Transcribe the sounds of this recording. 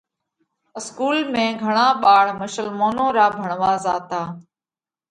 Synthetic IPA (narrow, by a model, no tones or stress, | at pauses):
ɪskuːlmẽːɡʱəɳ̃ãːɓaːɭ̤məʃəlmoːnõːɾaːbʱəɳʋaːzaːt̪aː